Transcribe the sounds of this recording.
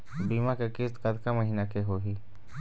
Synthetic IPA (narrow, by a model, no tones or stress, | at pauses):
biːmakekɪst̪kɐt̪kaməɦiːnakeɦoːɦiː